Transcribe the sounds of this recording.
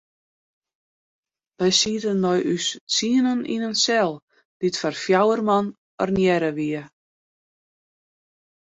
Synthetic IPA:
ʋɛjsiətənːɔjʔyst͡siənənḭnənsɛlˠ | d̥itfarfjawərman | ə̰rnjɛɾəʋiə

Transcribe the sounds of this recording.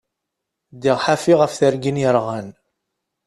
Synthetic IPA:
d̪iʁħafiʁəfθəɾɡinjəɾʁan

